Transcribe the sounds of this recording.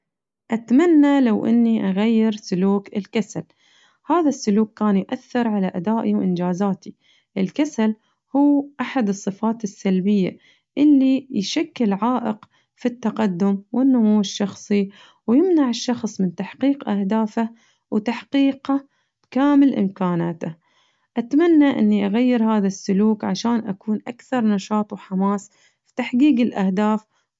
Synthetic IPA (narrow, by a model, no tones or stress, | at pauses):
ʔat̪manːalawʔɪ̰nːiʔaɣajːɪɾsʊluːkɪlkasal | haːðasːʊluːkːaːnjʔaθːɪɾˤʕalaʔad̪aːʔiwʔɪ̰nd͡ʒaːzaːt̪i | ʔɪlkasal | huːʔaħad̪ɨsˤːɨfaːt̪ɪsːalbɪjːa̰ | ʔɪlːijʃakːɪlʕaːʔɪq | fit̪ːɑqɑd̪ːʊmwʔɪnːʊmuwːɪʃːɑxsˤi | wjɪmnaʕɪʃːɑxsˤmɪnt̪aħqiːqʔahd̪aːfa | wt̪aħqiːqa | kaːmɪlʔɪ̰mkaːnaːt̪a | ʔat̪amanːaʔɪ̰nːiʔaɣajːɪɾhaːðasːʊluːkʕaʃaːnʔakuːnʔakθɑɾˤnɑʃɑːt̪ˤwħamaːs | fi̥t̪aħɡiːɡɪlʔahd̪aːf